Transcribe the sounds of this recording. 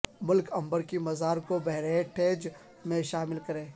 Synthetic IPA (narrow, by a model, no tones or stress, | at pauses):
mʊlkɐ̃mbəɾkimɐzaːɾkobɛɦɾeeʈʰeːd͡ʒ | mẽʃaːmɪlkɐɾẽː